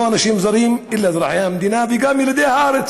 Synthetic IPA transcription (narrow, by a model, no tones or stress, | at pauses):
ʔanaʃiːmzɑɾiːmʔɪlːazɾˤɑħajamd̪iːnaviɡamjɪlad̪ehaɾet͡s